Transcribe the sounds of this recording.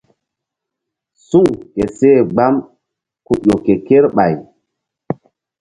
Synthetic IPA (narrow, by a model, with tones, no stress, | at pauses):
su˦ŋke˨seː˦˨ɡ͡ba˦m | ku˨ʄo˨ke˨ke˦ɾɓa̰˨j